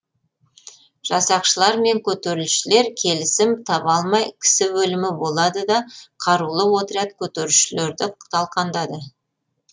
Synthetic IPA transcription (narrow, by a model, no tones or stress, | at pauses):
ʒ̥ɑsɑqʃəlˠɑɾme̞ŋkʲʰɵt̪eɾɪlʃɪle̞ɾkʲʰe̞lɪsɪmt̪ʰɑpɑlˠmɑjkʲʰɪ̥sɪwɵlɪmɪbo̞lˠɑd̪əd̪ɑqʰɑɾulˠəwo̞t̪əɾɑt̪kʲʰɵt̪eɾɪlʃɪle̞ɾd̪ɪt̪ʰɑlˠqʰɑnd̪ɑd̪ə